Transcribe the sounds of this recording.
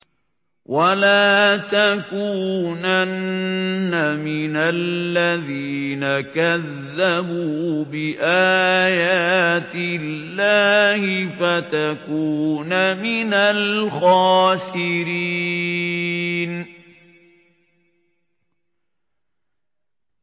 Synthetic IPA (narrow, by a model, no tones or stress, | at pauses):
wʔalaːt̪akuːnanː | amɪnalːaðiːnakaðːabuːbɪʔaːjaːt̪ɪlːaːhɪfat̪akuːnamɪnalxɑːsɪɾiː | n